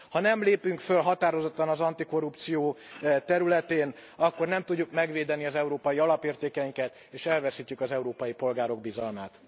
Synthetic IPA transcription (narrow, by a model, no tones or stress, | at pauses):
hɒnɛmleːpyŋkfølɦɒt̪aːɾo̞zot̪ːɒnɒzɒnt̪iko̞rːupt̪sijoːt̪ɛɾylɛt̪eːnɒkːo̞rnɛmt̪uɟːukmɛɡʋeːd̪ɛniɒzɛuɾoːpɒjiɒlɒpeːrt̪eːkɛjiŋkɛt̪ | eːʃɛlvɛsiːc̪ːykɒzɛuɾoːpɒjipo̞lɡaːɾo̞ɡ̚bizɒlmaːt̪